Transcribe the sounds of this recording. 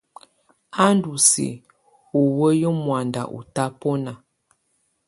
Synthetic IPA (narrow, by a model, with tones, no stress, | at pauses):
a˦ndu˨sḭ˨ | u˨wə˦jə˦mwa˨nda̰˨ʔṵ˨ta˦pɔ˦na˨